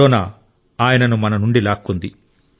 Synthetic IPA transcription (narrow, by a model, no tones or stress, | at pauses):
ɔːnaː | aːjɐnɐnumɐnɐnuɳɖilaːkːund̪i